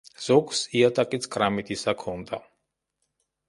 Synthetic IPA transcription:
z̥ɔksiat̪ʼakʼit̪sʰkʼɾamit̪ʰʼisakʰɔnd̪a̰

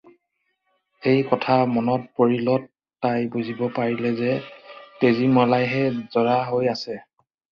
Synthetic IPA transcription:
ejkɔtʰamɔnɔt̚poɹilɔtː | ajbuzʱibɔpaɹilɛzɛtezimɔlajɦɛzɔɹaɦojasɛ

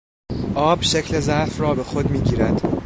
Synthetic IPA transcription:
ʔɒːbʃe̞cʰle̞zæfrɒːbe̞xo̞d̪miːɟiːɾæd̪̥

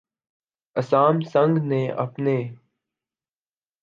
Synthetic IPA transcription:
əsaːmsə̃ŋɡneːʔə̰pneː

